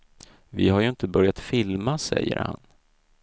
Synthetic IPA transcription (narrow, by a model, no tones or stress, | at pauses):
vɪhajɵɪnt̪əbœɾjat̪fɪlmasɛ̰jːə̰ɾha̰n